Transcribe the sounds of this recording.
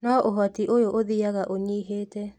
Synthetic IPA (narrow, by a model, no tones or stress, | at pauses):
naʔoɦɔtiʔojoʔoðiaɣaʔoɲiɦeːtɛ